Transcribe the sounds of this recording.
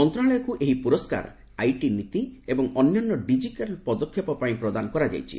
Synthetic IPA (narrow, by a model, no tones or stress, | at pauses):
mɔnt̪ɾaɭɔjɔkuʔeɦipuɾɔska̰ɾ | ajʈinit̪iebɔŋɔnjɔnːɔɖid͡ʒiʈalpɔd̪ɔkʰjɔpɔpaĩpɾɔd̪anɔkɔɾad͡ʒa̰jt͡ʃʰḭ